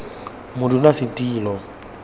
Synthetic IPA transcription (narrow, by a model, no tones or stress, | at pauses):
mʊdunasitʼiːlɔ